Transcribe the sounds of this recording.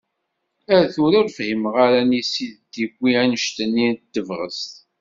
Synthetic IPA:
æɾθʊɾʊɾfhiməʁaɾænisiðd̪iɡʷːiænəʃt̪ənːint̪ːəvʁə̰st̪

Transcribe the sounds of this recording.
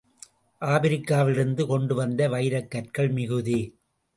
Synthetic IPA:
ʔaːbɪɾɪkːaːʋɪɾɯnd̪ɯkɔɳɖɯʋɐnd̪ɐʋɐɪɾɐkːɐʈkɐɭmɪɣɯði

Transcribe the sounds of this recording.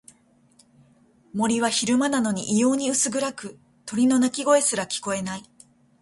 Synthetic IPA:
mo̞ɾʲiβaçiɾɯ̟manano̞ɲ̟iʔijo̞ːɲ̟iɯsɨɡɯ̟ɾakɯ̟ | t̪o̞ɾʲino̞nakʲiɡo̞e̞sɨɾakʲi̥ko̞e̞nai

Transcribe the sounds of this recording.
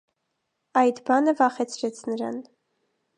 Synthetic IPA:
ɑjd̪bɑnəvɑχɛt͡sʰɾɛt͡sʰnəɾɑ̰n

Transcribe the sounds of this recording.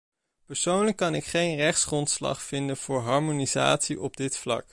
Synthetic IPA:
pəɹsownləkːɑnɪkχejnrɛχtsχrɔntslɑ̰χfɪndənv̥ʊːɹɦɑɹmoniza̰ːtsiʔɔb̚dɪtflɑ̰k

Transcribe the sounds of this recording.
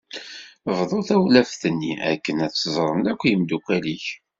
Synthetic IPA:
vðˤoθæwlæfθənːiʔæ̰kːənæθszˤɾˤəmlækʷːjəmd̪ukʷæliç

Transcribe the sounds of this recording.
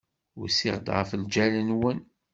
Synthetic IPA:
ʊsiʁd̪ʁəfld͡ʒælənwən

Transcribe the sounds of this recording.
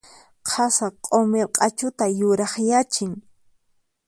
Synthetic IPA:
qʰɑsaqʼomeɾqʼɑt͡ʃʊt̪ajʊɾɑχjat͡ʃɪŋ

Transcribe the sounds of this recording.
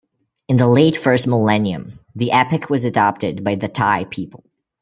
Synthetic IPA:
ɨ̃nðəleɪtfɜ˞st̚məlɛ̃njɨ̰̃mðiʔɛpɨkʰwʌzɨdɑp̚tɨd̚baɪðɨtʰaɪpʰipl̩ˠ

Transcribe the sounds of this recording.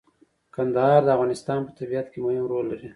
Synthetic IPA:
kand̪ahɑɾd̪əavɣɑnɪst̪ɑnpət̪abijat̪kemʊhɪmɾolːaɾi

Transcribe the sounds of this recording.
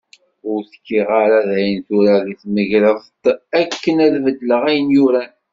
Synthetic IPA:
ʊɾθkːiʁaɾæðæjənθuɾæðiθməʝɾəθt̪ˤækːənæðvəd̪ːləʁæjənjʊɾæ

